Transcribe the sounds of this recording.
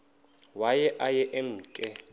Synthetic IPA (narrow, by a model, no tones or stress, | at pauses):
wajɛʔajɛʔem̩ːkʼɛ